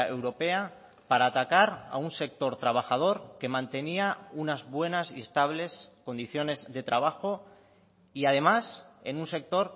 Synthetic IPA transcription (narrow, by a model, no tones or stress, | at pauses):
e̞wɾo̞pe̞a | paɾaːt̪akaɾa̰unse̞k̚t̪o̞ɾt̪ɾaβ̞axað̞o̞ɾke̞mãnt̪e̞niaunazβwe̞nasie̞st̪aβ̞le̞sko̞nd̪iθjo̞ne̞zðe̞t̪ɾaβ̞axo | iað̞e̞mase̞̰nunse̞k̚t̪o̞ɾ